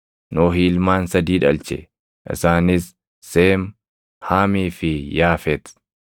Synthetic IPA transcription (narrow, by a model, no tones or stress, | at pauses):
noːɦiːlmaːnsɐd̪iːᶑɐlt͡ʃɛ̰ | ʔɪ̰saːnɪsː | eːm | haːmiːfɪjaːfɛt̪